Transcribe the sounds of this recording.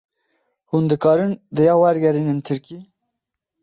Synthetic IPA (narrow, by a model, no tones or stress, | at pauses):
hund̪ɨkɑːɾɨnd̪ɨjɑːwæɾɡɛɾiːnɨnt̪ʰɨɾkiː